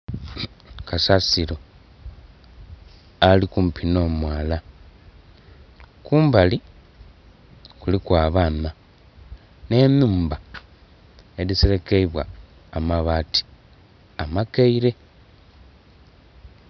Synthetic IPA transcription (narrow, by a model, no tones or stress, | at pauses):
kasasiɾo | alikum̩pʰino̞ːmwaːla | kuːmbali | kulikwaːβana | ne̞muːmba | eðiseɾekeiβwa̰ː | maβati̥ | amakeiɾe̞